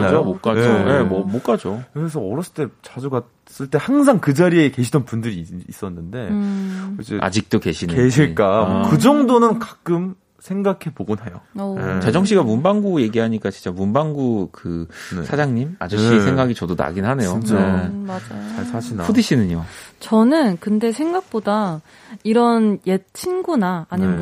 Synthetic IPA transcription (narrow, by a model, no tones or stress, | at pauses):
mad͡ʑomok͈ad͡ʑoje̞mʌmok͈ad͡ʑokɯɾes̬ʰʌʌɾʌs͈ɯɭt͈e̞t͡ɕad͡ʑuɡa | s͈ɯɭt͈e̞haŋs̬ʰaŋkɯd͡ʑaɾieke̞ɕʰidʌnpundɯɾiːs͈ʌnːɯnde̞ot͡ɕeʔa̰d͡ʑik̚t͈oke̞ɕʰineɕʰiɭk͈akɯd͡ʑʌŋdonɯnkḁk͈ɯm | sʰe̞ŋɡakʰe̞boɡonɦajo̰oet͡ɕad͡ʑʌŋɕ̬͈iɡamumbaŋɡuje̞ɡiɦaɲik͈at͡ɕint͡ɕ͈amumbaŋɡukɯsʰad͡ʑaŋɲima̰d͡ʑoɕ͈iesʰeŋɡaɡit͡ɕʌdona̰ɡinɦane̞jomad͡ʑajot͡ɕaɭsʰaɕʰinapʰodiɕʰinɯɲot͡ɕʌnɯnkɯnde̞sʰe̞ŋɡak̚p͈oda | iɾʌnjet͡ɕʰinɡunaːɲim